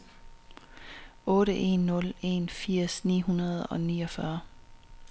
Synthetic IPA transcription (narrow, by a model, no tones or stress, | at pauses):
ʔɔ̽ːɾəʔe̝nːɔ̽le̝nfiɐ̰snḭːɦunɐð̞̩ˠɒ̽niːɒ̽fɶɐ